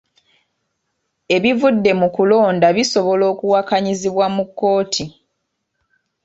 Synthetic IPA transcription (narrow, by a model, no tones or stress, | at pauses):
e̞βivudːe̞mukulo̞ːndaβiso̞βo̞lo̞ːkuwakaɲiziβwamukːo̞ːtʰi